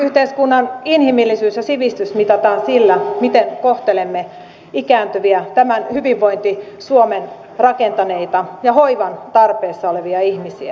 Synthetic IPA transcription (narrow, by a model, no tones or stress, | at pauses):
yht̪eiskunːɑninhimilːisyːsjɑsiʋist̪ysmit̪ɑt̪ɑːnsilːæmit̪enkoht̪elemːe | ikæːnt̪yʋiæt̪æmænhyʋiʋːoint̪i | suomen | rɑkent̪ɑneit̪ɑjɑhoiʋɑnt̪ɑrpeːsːɑoleʋiɑihmisiæ